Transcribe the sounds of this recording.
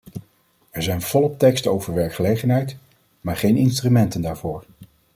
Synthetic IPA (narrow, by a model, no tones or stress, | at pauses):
ɛɹzɛjnv̥ɔlˠɔp̚tɛkstowvəɹʋɛɹkχəlejχənɦɛjt | maːɹχejnɪnstrymɛntəndaːɹvʊːɹ